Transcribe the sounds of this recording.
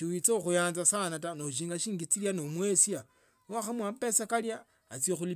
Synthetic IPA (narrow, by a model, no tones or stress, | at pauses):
tuwit͡soxujaːnzasanatanouʃ̬iːŋɡaʃiːŋɡit͡siljanomwesia | waxamwapesakaljaː | t͡sjexuli